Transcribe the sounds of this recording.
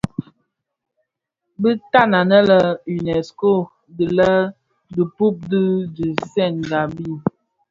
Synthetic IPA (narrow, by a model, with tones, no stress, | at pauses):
bi˦ta˦˨na˨nə˦lə˨y˨nɛ˨sko˦˨ | di˨lə˦ | də˨pu˦p̚dɨ˦d͡ʒi˨sɛ˦˨nɡa˨bi˦˨